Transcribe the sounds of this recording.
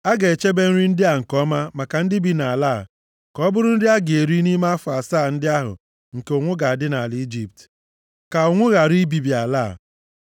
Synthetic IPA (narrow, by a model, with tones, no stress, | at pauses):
a˦ɡe˨e˨t͡ʃe˦be˦n̩˦ɾi˦n̩˦dɪ˦a˨ŋ̩˨kɔ˦ma˦ma˨ka˨n̩˦dɪ˦bi˦na˨laː˦˨ | kɔ˦bʊ˦ɾʊ˦n̩˦dɪ˦a˦ɡe˨ɾi˦ni˦ma˦fʊ˨a˨saː˦˨n̩˦dɪ˦a˦ɦʊ̰˨ | ŋ̩˨ke˨ʊ˨ŋʷʊ˦ɡa˨a˨dɪ˦na˨li˦d͡ʒi˨p̚t | ka˨ʊ˨ŋʷʊ˦ɣa˨ɾi˦bi˨bi˨a˨laː˦˨